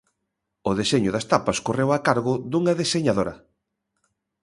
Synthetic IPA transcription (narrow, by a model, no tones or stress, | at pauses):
ʊðeseɲʊðɐst̪apɐskorewakaɾɣʊðuŋɐðeseɲaðoɾɐ